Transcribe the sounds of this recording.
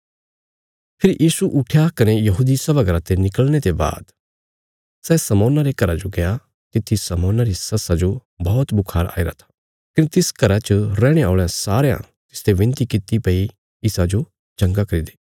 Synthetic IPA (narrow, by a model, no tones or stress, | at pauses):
pʰɪɾjʔiːsuʔʊʈʰjakɐnejɐɦud̪isɐbaɡəɾat̪enɪkəlnet̪eba̰ːd̪ | sɛːsɐmɔːnaɾekɐɾad͡ʒoɡɐja | t̪ɪt̪ʰːisɐmɔːnaɾisɐsad͡ʒobɔːt̪bʊkʰaːɾʔa̰ːiɾa̰t̪ʰḁ | kɪnet̪ɪskɐɾat͡ʃəɾɛ̃ːɽ̃eaːɭeãsaːɾejã̰ | t̪ɪ̥st̪eʋɪ̃nt̪ikɪt̪ipɐi | ɪsad͡ʒo | d͡ʒɐ̃ŋɡakɐɾid̪eː